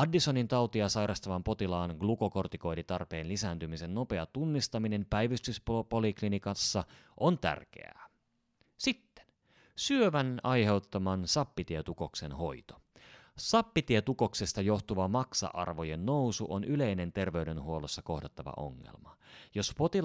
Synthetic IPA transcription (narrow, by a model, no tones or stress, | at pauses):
ɑdːiso̞nint̪ɑwt̪iɑsɑjɾʔɑst̪ɑʋɑmpo̞t̪ilɑːnɡluko̞ko̞rt̪iko̞jdit̪ɑrpe̞ːnlisæːnt̪ymise̞nno̞pe̞ɑt̪unːist̪ɑmine̞mpæjʋyst̪ysppoliklinikɑnsːɑʔont̪æ̰rk̟ḛæ̰ː | sit̪ːe̥n | syøʋænɑjhe̞wt̪ːɑmɑnsɑpːit̪iet̪uko̞ksenɦo̞̰jt̪o̥ | sɑpːit̪iet̪uko̞kse̞st̪ɑjo̞ht̪uʋɑmɑksɑ̰ʔɑ̰rʋoje̞nːo̞wsuʔonyle̞jne̞nt̪e̞rʋe̞yde̞nɦuo̞losːɑko̞hdet̪ːɑʋɑ̰ʔo̞̰ŋːḛlmɑjo̞spo̞t̪i